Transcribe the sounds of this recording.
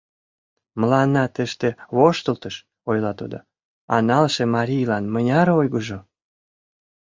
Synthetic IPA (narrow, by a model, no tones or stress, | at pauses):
məlɑnːɑt̪ə̆ʃt̪eβoʃt̪əlt̪əʃ | ojlɑt̪od̪o̰ | ɑ̰nɑlʃemɑɾʲijlɑnmənʲɑɾojɣəʒo